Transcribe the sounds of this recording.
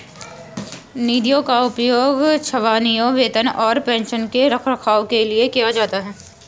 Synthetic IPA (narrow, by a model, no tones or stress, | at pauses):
niːd̪ijõkaʊpjoːɡt͡ʃʰɐʋaːnijõʋeːt̪ənɔːɾpɛ̃ːnʃənkeɾɐkʰɾɐkʰaːokeliekijad͡ʒaːt̪aɦɛː